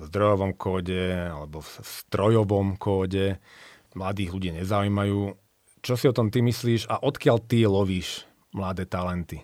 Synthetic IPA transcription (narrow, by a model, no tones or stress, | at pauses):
zd̪ɾɔjɔʋɔmkʰɔːɟɛalɛbɔfst̪ɾɔjɔʋɔmkʰɔːɟɛ | mlad̪iːɣluɟiɲɛzaujːmajuː | t͡ʃɔsiɔt̪ɔmt̪imisliːʃaʔɔt̪kɪalt̪ilɔʋiːʃ | mlad̪ɛːt̪alɛnt̪i